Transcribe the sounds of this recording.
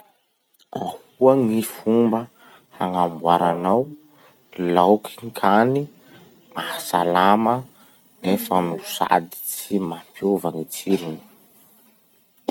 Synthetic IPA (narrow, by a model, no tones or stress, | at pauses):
a̰h | uəŋifumbə | haŋambuaɾanaw | lawkʰiŋkʰani | mahasalamə | nefənusa̰d̪i̥t͡simampʰjovanit͡siɾini̥